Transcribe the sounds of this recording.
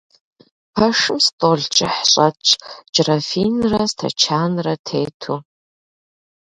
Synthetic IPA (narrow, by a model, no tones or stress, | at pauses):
pʰɐʂɨmstʼoɮt͡ʃʼɪħɕʼɐt͡ʃʰʼd͡ʒʼrɐfiːnrɐstʰɐ̰t͡ʃʰaːnrɐtʰeːtʰuː